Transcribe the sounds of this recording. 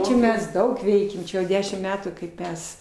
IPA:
ˈt͡ʃʲɛ ˈmʲɛs ˈdɐʊk ˈʋʲɛɪkʲɛm ˈt͡ʃʲɛ jɛʊ ˈdʲæːʃʲɪm ˈmʲæːtuː kɐɪp ˈmʲɛs

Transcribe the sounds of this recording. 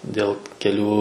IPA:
ˈdʲeːlˠ kʲɛˈlʲuː

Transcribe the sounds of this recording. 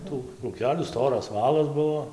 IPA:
ˈtuː kruːˈkʲæːlʲuː ˈstoːrɐs ˈʋɑːlˠɐs ˈbuɔ

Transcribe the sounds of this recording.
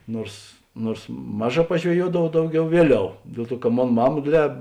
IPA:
ˈnuɔrs ˈnuɔrs ˈmɑːˌʒɑː pɐʒʲʋʲɛˈjuɔdɐʋɐʊ ˈdɐʊˌɡʲɛʊ ˈʋʲiɛˌlʲɛʊ ˈdʲiɛlˠ ˌtuɔ kɐ ˈmoːn ˈmɑːmɐ ˈdʲeːdʲˌlʲɛː

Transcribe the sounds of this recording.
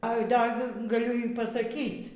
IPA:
ɐɪ ˈdɐ k ɡɐˈlʲʊ iː pɐsɐˈkʲiːt

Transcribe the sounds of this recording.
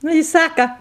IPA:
ˈnʊ ɪ ˈsɑːkɐ

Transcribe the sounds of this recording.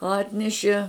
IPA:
ˈɑːtʲnʲɛʃʲiɛ

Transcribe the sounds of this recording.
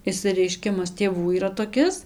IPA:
ɪʃʲsʲɪrʲɛɪˈʃʲkʲɪmɐs tʲeːˈʋuː iːˈrɐ toːˈkʲɪs

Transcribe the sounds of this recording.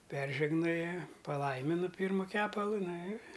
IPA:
ˈpʲɛrʲʒʲɛɡnoːjɛ pɐˈlˠɐɪmʲɪnʊ ˈpʲiːrmʊ ˈkʲæːpɐlˠʊ ˈnɐ ɪr

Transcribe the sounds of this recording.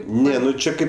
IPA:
ˈnʲɛ nʊ ˈt͡ʃʲɛ ˈkɐɪp

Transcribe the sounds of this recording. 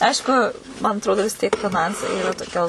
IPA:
ˈɐɪʃkʊ mɐn ɐtˈroːdoː ʋʲɪs ˈtʲiɛk fʲɪˈnɐnsɐɪ toːˈkʲɛ

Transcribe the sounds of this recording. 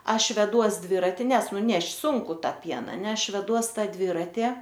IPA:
ˈɐʃ ʋʲɛˈduɔs ˈdʲʋʲɪrɐtʲɪ ˈnʲɛs ˈnʊ nʲɛʃʲtʲ ˈsʊŋkʊ ˈtɑː ˈpʲiɛnɑː nʲɛ ˈɐʃ ʋʲɛˈduɔs ˈtɑː ˈdʲʋʲɪrɐtʲɪ

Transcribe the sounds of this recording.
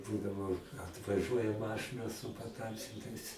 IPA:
ˈbuːdɐʋoː ɐtʋɐˈʒuɔjɛ ˈmɑːʃɨnɐ sʊ pɐˈtɐmʲsʲɪntɐɪs

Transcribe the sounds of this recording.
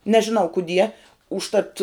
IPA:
nʲɛʒʲɪˈnɐʊ kʊˈdʲiɛ ʊʃˈtɐt

